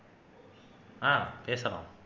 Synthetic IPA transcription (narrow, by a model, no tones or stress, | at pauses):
ãːpeːsɐla̰ːm